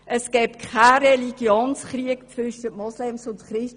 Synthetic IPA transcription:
ʔəskɛːpkʰaɾɛliɡ̥joːnsχɾiəkt͡sʋʏʃəmɔslɛmsʊnt̪χɾɪʃ

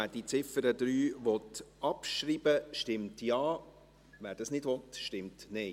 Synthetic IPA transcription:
æːd̥it͡sɪfəɾəd̪ɾyːʋɔtɑpʃɾiːb̥əʃtɪmtjɑː | ʋæːɾd̥ɑsnɪdʋɔtʃtɪmtne

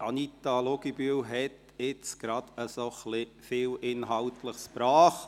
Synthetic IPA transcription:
ʔɑnit̪ɑloɡibylɦɛt̪ | ɪt͡sɡ̥ɾɑd̪̥əsoχlɪ | fɪːlʔɪnɦɑltləχspɾɑːχ

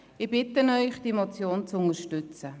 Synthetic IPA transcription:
ɪbɪtənœʏχd̥iːmot͡sjoːnt͡sʊnəʃtʏt͡sə

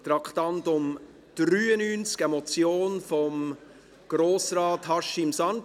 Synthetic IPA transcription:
t̪ɾɑkχtɑntʊm | d̥ɾyːənyːnt͡skɛmɔt͡sjoːnfɔm | ɡ̥ɾoːsrɑːthɑʃɪmsɑn

